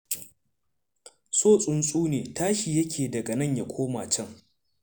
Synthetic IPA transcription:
soː˦˨sʼʊ˨nsʼuː˦neː˨taː˦ʃi˨jɐ˦kʰʲeː˨dɐ˨ɡɐ˨nɐ˦˨ɲja˨kʷʰoː˦maː˨t͡ʃɐ˦ŋ

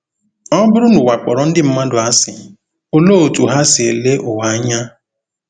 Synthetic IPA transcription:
ɔ˦bʊ˦ɾʊ˦nʊ˨wa˨k͡pɔ̰˨ɾɔ˨n̩˦dɪ˦m̩˦ma˦dʊ˨a˦sɪ̰˨ | o˦lo˦˨o˨tu˨ɦa˦sɪ˨e˨le˦ʔʊ˨wa˨˦ɲa˦

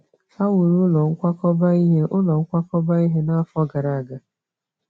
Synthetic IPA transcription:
a˦wʊ˨ɾu˦lɔ˨ŋ̩˦kʷa˦kɔ˦ba˦i˦ɦe˦ʔʊ˦lɔ˨ŋ̩˦kʷa˦kɔ˦ba˦i˦ɦe˦na˦fɔ˦ɡa˨ɾa˨a˨ɡa˨

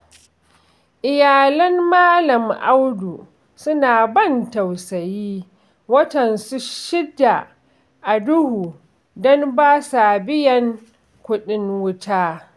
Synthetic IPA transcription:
ʔɪ˨jaː˨lɐ˦mːaː˦lɐ˨mʔa˦wdu˨ | sʊ˦naː˨bɐ˦˨ntɐ˨wsɐ˨jiː˦ | wɐ˦tɐ˨nsu˦ʃɪ˦dːa˨ | ʔa˨dʊ˦huː˨ | dɔ˦mbaː˦sa˨bɪ˦jɐ˨ŋ | kʷʊ˦ɗɪ˦ŋwʊ˦tʰaː˦

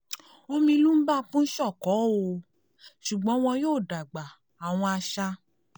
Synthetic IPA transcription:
o˧mĩ˧lu˦m̩˦ba˦˨k͡pũ˦n̩˦ʃɔ˦˨kɔ˨˦o˧ | ʃu˨ɡ͡bɔ̃˨˦w̃ɔ̃˧joː˦˨da˨ɡ͡ba˨ | a˨w̃ɔ̃˧a˧ʃa˧

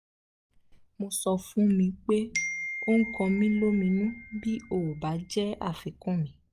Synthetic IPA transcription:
mo˧sɔ˧fũ˨˦mĩ˧k͡pe˦o˦ŋ̩˦kɔ̃˧mĩ˦lo˦mĩ˧nũ˦bi˦o˦˨ba˨˦d͡ʒɛ˦a̰˦˨fɛ˨kɔ̃˦˨mĩ˨˦

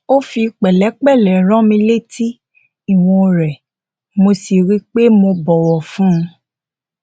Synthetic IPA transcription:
o˦fi˧k͡pɛ˨lɛ˨˦k͡pɛ˦˨lɛ˨ɾ̃ã˦mĩ˧le˦˨tʰi˦ | i˦˨w̃ɔ̃˧ɾɛ˨ | mo˧si˨ɾi˦k͡pe˦mo˧bɔ˨wɔ˨fũ˦˧

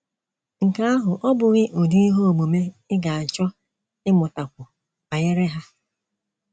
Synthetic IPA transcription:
ŋ̩˨ka˦a˦ɦʊ˨ʔɔ˦bʊ˨ɣɪ˦ʔo˨du˦i˦ɦo˦o˨ɡ͡bo˨me˦ɪ˦ɡa˨a˨t͡ʃɔ˦ | ɪ˦mʊ˨ta˨kʷʊ˨ | a˨ɣɪ˦ɾɪ˦ɦa˦

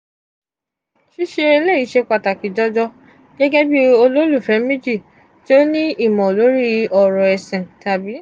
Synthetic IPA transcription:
ʃi˦ʃe˧e˧le˦˨i˨˦ʃe˧k͡pa˨ta˨ki˨˦d͡ʒɔ˦d͡ʒɔ˧ | ɡɛ˦ɡɛ˦bi˦o˧lo˦lu˦˨fɛ˨˦mĩ˦d͡ʒi˦˨ | to˦nĩ˦i˦˨mɔ̃˨lo˨˦ɾi˦ɔ˧ɾɔ˨ɛ˨sɛ̃˨ta˨bi˨˦

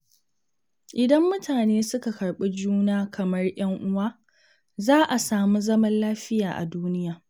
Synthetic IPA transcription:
ʔɪ˨dɐ˦mːʊ˦tʰaː˨neː˦sʊ˦ka˨kɐ˨ɽɓe˦d͡ʒuː˦naː˦kʰɐ˨mɐ˦rj̰ɐ˦ŋʔʊ˦waː˦ | zaː˦ʔa˨saː˨mu˦zɐ˦mɐ˦nlaː˦ɸɪ˦jaː˨ʔa̰˨duː˦nɪ˦jaː˨

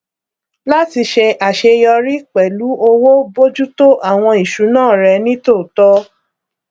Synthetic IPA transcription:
la˦ti˧ʃe˧a˨ʃe˧jɔ˧ɾi˦k͡pɛ˨lu˨˦ʔo˧wo˦bo˦d͡ʒu˦to˦ʔa˦˨w̃ɔ̃˧i˨ʃu˨˦nãː˦˨ɾɛ˧nĩ˦to˦˨tɔ˦

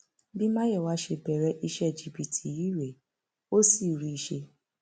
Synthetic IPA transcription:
bi˦mã˦jɛ˦˨wa˦ʃe˧bɛ˨ɾɛ˧˦ʔi˧ʃɛ˦˨d͡ʒi˨bi˧˨tʰi˧˨ji˦˨ɾe˨ | o˦si˦˨ɾi˧i˧ʃe˧

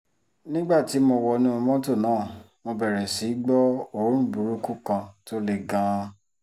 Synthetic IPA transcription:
nĩ˦ɡ͡ba˦˨ti˨˦mo˧wɔ˧nĩ˦o˧mɔ̃˦to˦˨nãː˨˦˨ | mo˧bɛ˨ɾɛ˨si˨˦ɡ͡bɔ˦o˦ɾ̃ũ˦bu˨ɾu˦ku˦kã˧to˦le˨ɡã˨˧

